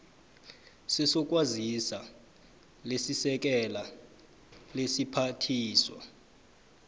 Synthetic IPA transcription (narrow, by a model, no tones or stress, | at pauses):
sɛsɔk̬ʼwazisa | lesisɛk̬ɛla | lesipʰatʰiːswa̰